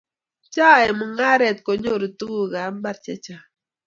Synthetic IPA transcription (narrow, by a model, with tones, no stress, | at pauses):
t͡ʃa˦˨ɛ˨mu˨ŋa˦ɾɛ˨t̪̚ko˨ɲo˦˨ɾi˨tu˦ɡu˦ɣa˨˦m˦ba˦ɾt͡ʃɛ˦t͡ʃa˨